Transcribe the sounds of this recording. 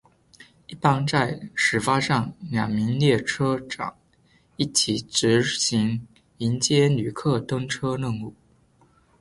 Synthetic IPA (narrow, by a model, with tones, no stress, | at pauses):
i˥˩pɑ˥˧ŋt͡sa˥˩ɪʂɻ̩˨˥fa˥ʂɑ˥˩ŋljɑ˨˩ŋmi˧˥ŋljɛ˥˩ʈ͡ʂʰɤ˥ʈ͡ʂɑ̰˨˩˦ŋ | i˥˩t͡ɕʰi˨˩t͡sɻ̩˧˥ɕi˧˥ŋ | i˧˥nt͡ɕjɛ˥ny˨˩kʰɤ˥˩t̪ɤ˥ŋʈ͡ʂʰɤ˥nə˥˧ŋu˥˩